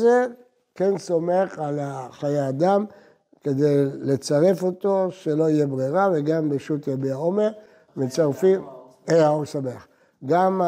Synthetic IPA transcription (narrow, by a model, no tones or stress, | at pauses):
ze | kenso̞me̞χalaχajead̪am | ke̞d̪ejle̞t͡saʁe̞fo̞t̪o̞ʃe̞lo̞ijebʁeʁaveɡambeʃut̪jabeaome | met͡saʁfim | ejaoʁsameχ | ɡam